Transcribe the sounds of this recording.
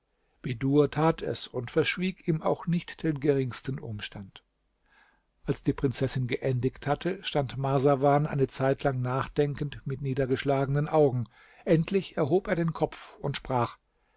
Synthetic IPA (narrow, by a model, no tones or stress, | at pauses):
b̥eduːɐtʰaːtʰɛ̰sʊntfɛɐʃv̥iːkiːma̰ʊxnɪçtd̥eːnɡəʁɪŋstn̩ʔʊ̰mʃtant | ʔalsd̥iːpʁ̥ɪnt͡sɛsɪnɡəʔɛndɪçthatʰəʃtantmazavaːnʔa̰ɪnət͡saɪtlaŋnaːχd̥ɛŋkəntmɪtniːdɐɡəʃlaːɡənənʔaʊɡŋ̩ | ʔɛntʰlɪçɛɐɦoːpeːɐdeːnkʰɔpp͡fʊntʃpʁ̥aːχ